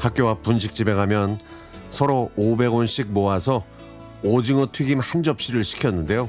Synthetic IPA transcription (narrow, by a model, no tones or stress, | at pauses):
hak̚k͈jowapunɕ̬ʰik̚t͡ɕ͈ibe̞ɡamjʌn | sʰʌɾoobe̞ɡonɕ͈ik̚moasʰʌ | od͡ʑiŋʌtʰuɡimhand͡ʑʌp̚ɕ͈iɾɯɭɕʰi̥kʰjʌnːɯnde̞jo